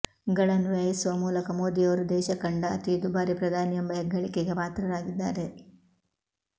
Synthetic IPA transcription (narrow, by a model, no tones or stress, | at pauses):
ɡɐɭɐnʋjajɐsuʋɐmuːlɐkɐmoːd̪ijɐʋɐɾud̪ɛːʃɐkɐɳɖɐːt̪id̪ubaːɾipɾɐd̪ʱaːnijɐmbɐɦɛɡːɐɭikeɡepaːt̪ɾɐɾaːɡid̪ːaːɾe̞